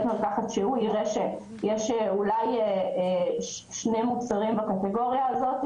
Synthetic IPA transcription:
t̪molkaχatʃeuiʁeʃe | jeʃeulaje | ʃne̞mut͡saʁimbakateɡo̞ʁjaːzo̞t̪

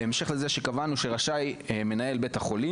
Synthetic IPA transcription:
eemʃe̞χlezeʃe̞kavanuʃe̞ʁaʃajme̞nae̞lbe̞thaχo̞li

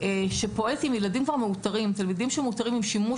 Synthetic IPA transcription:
eʃepo̞eltimjeladimkvaʁmeutaʁimt̪almid̪imʃemeut̪aʁimimʃimu

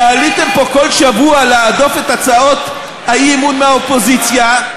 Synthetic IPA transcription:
aalit̪empo̞ko̞lʃavualead̪o̞fe̞t̪at͡sao̞t̪ | haimunmeaopo̞zit͡sja

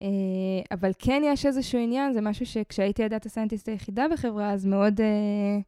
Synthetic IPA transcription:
ʔea̰valkʰenjeʃezeʃuuinjanzemaʃuʃekʃeait̪iadat̪asajentistajeχidabeχevʁaːzmeo̞de

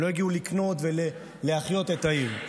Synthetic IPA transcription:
lojaɡiulikno̞tvele | leaχjo̞te̞taiʁ

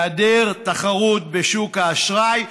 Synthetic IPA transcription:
ad̪eʁt̪aχaʁut̪̚beʃukhaːʃʁaj

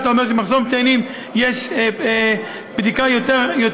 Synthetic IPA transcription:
t̪aome̞ʃemaχzomt̪enim | jeʃ | b̥d̪ikajot̪eʁjot

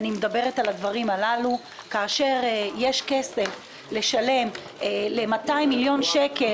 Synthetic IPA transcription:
nimed̪abe̞ʁetalad̪vaʁimalalu | kaːʃe̞ʁeje̞ʃke̞sef | le̞ʃale̞m | elematajmiljo̞nʃeke̞

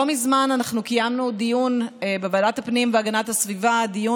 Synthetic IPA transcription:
omizmananaχnukijamnudijunbevadathapnimveaɡanathasvivad̪iju

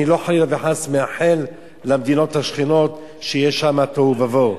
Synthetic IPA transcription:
ilo̞ħalilavaħasmeaħelː | amd̪ino̞t̪haʃχino̞t̪ | ʃejeʃamat̪ohuvavo

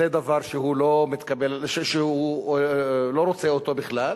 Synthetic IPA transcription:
ed̪avaʁʃeɦulo̞mit̪kabelʃeʃeu | lo̞ʁot͡seot̪o̞biχlal

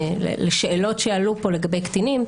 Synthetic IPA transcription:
lḛleʃeelo̞tʃealupo̞leɡabejkt̪inim

